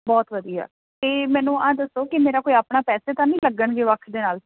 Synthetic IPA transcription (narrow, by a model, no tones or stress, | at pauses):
bɔːt̪ʋəd̪ija̰ː | t̪eːmɛ̃ːnũːãːd̪əsoːkɪmeːɾaːkoːiaːpɳaːpɛːseːt̪ãːnĩːləɡəɳɡeːʋəkʰd̪eːnaːl